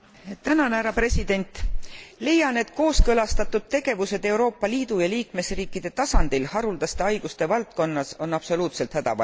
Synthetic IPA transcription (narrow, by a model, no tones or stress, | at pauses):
t̪ænɑnæɾɑpre̞sid̪̥e̞nʲt̪ˑle̞jɑne̞d̪̥̚ko̞ːskɤlɑst̪ɑt̪ːˑud̪̥̚t̪ːe̞ɡ̥e̞vuse̞d̪̥e̞uɾo̞ːpːˑɑliːd̪̥ujɑliːkme̞sriːkːˑid̪̥e̞t̪ɑsɑnd̪̥ilhɑɾuld̪ɑst̪e̞ɑjɡ̥ust̪e̞vɑlt̪̚ko̞nːɑso̞nɑb̥so̞luːt̪se̞lt̪hæd̪̥ɑ̰vɑ̰